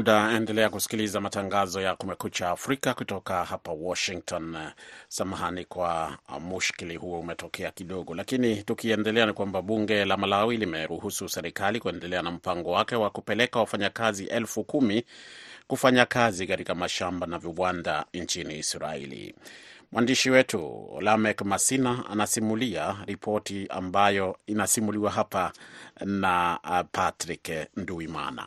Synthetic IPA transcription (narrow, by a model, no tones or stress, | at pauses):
ɗaɛndɛlɛakusi̥kilizamataŋɡazɔjakumɛkut͡ʃaːfɾikakutɔkahapawɔʃiŋk̚tɔnsamaɦanikwamuʃkilihuɔumɛtɔkɛakiɗɔɠɔlakinitukiɛndɛlɛanikwambaɓuŋɡɛlamalawilimɛɾuhususɛɾikalikuɛndɛlɛanam̩paŋɡɔwakɛwakupɛlɛkawafaɲakaziʔɛlfukumikufaɲakazikatikamaʃambanaviwanda̰nt͡ʃiniːsɾa̰ḭlḭmwʔandiʃiwɛtʰṵlamɛkmasinaa̰nasimuliaɾipʰɔtia̰mbajɔinasimuliwaɦapa | napʰatɾiknduima̰na̰